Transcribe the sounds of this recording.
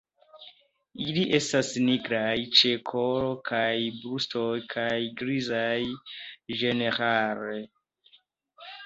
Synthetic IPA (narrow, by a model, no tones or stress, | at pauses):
iliʔe̞stasniɡɾajt͡ʃekʰoɾokʰajbɾustojkʰajɡɾizajʒe̞neɾaɾe